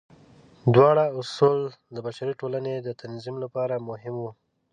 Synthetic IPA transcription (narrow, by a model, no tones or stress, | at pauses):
d̪wɑɽaʊsuld̪əbaʃaɾiʈolaned̪ət̪anzimlapɑɾamʊɦɪmwu